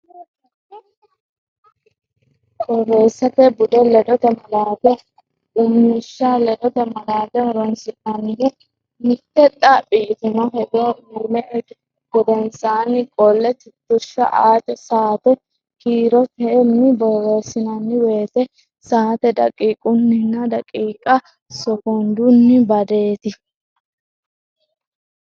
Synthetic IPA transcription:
bɔrːeːsɐt̪ɛbʊd̪ɛlɛᶑɔt̪ɛmɐlaːd̪ɛ | ʔʊmːɪʃːalɛᶑɔt̪ɛmɐlaːd̪ɛɾɔnsɪnanɪn | mɪt̪ːɛt̪ʼːabiːt̪ɪnɔɦɛd̪omɛʔ | ɡ̥ɔd̪ɛnsaːnɪkʼɔlːɛt̪ɪt̪ːʊʃːɐ̰ʔaːt̪ɛsaːt̪ɛ | kiːɾɔt̪ɛmːɪbɔreːsɪnɐnːɪwe̞ːt̪ɛ | saːt̪ɛd̪ɐ̰kʼiːkʼʊnːɪnːɐd̪ɐkʼiːkʼɐ | sɔkɔnd̪ʊnːɪbɐd̪e̞ːt̪ɪ

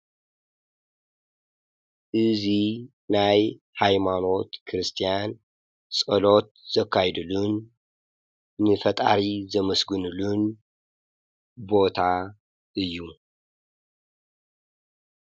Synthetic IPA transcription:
ʔɨzi | naj | hajmano̞t̪kʰɨɾɨst̪ʰijan | sʼɐlo̞t̪̚z̥ɐkʰːajd̪ɨlun | ɨfɐt̪ʼaɾizɐmɐsɡɨnulun | bo̞t̪ʰa | ʔɨjːu

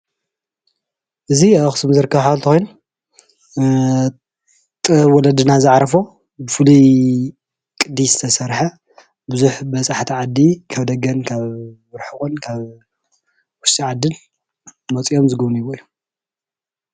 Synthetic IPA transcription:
ʔɨziaxɨsɨmzɨɾɨkːɐβħaβlt̪ʰɐxʷojnu | t̪ʼwɔlɐd̪ɨnazɨʕɾɐfo | bɨfɨlu | kʼɨd̪izɨt̪ʰɐsɐɾħɐ | bɨzuħbɐt͡sʼaħt̪ʰiʕad̪ːikʰaβd̪ɐɡɐnkʰaβː | ɨɾħɨkʼunkʰaβ | wʊʃt̪ʼiʕad̪ːɨn | mɐt͡sʼijomzɨɡɨβnujiβoju

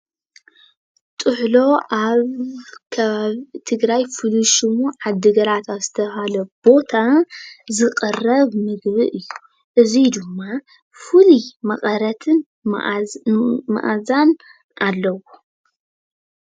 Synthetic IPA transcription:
t̪ʼɨħlo̞ʔaβkʰɐβaβt̪ʰɨɡɾajfɨluʃumuʕad̪ːɨɡɐɾat̪ʰazɨt̪ʰɐhalɐb̥o̞t̪ʰazɨqʼɨrɐβmɨɡβɨʔɨjːu | ʔɨzid̪ɨmːa | fɨlimɐχʼɐɾɐt̪ʰɨn̰ | ma̰ʔazan | ʔalːɐwo

